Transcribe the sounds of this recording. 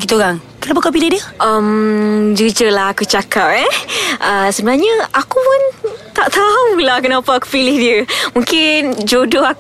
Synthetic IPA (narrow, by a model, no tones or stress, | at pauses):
ɡit̪uoɾaŋ | kənap̬akap̬ilɪhdiəʔəmd͡ʒid͡ʒəlaɦakut͡ʃakap̚ɛʔəsəbənarɲə̃akupʊnt̪aʔt̪auŋbilaakunapaaku̥pilɪhdiəmũŋkɪnd͡ʒodoha